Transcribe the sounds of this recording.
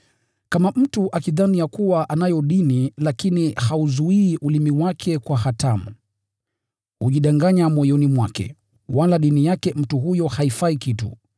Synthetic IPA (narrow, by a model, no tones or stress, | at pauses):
kamam̩tuʔakiðanijakuwaʔanajɔɗinilakinihauzuiːʔulimiwakʰɛkwahatʰamu | huʄiɗaŋɡaɲamɔjɔnimwakɛ̰ | walaɗinijakɛm̩tuɦujɔhaifaikitṵ